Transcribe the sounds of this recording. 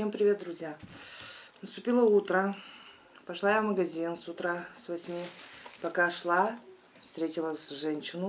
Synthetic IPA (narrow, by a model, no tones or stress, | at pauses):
empɾʲɪvʲe̞t̪̚d̪ɾʊzʲja | nəst̪ʊpʲilˠəut̪ɾə | pɐʂlˠajavməɡɐzʲinsʊt̪ɾasvɐsʲmʲipɐkaʂlˠa | fst̪ɾʲetʲɪlˠəsʲʐɛnʲɕɪnʊ